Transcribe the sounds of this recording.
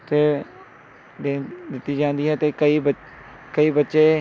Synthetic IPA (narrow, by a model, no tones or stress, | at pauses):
t̪eː | d̪eːd̪ɪt̪ːiːd͡ʒãːnd̪iːɦɛːt̪eːkəiːbə | kəiːbətːʃeː